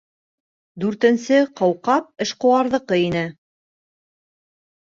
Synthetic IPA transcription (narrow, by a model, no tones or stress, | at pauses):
d̪ʉɾt̪ɘ̆nsɘqɑwqɑp̚ɘ̆ʃqŏwɑɾðɤ̆qɤinɘ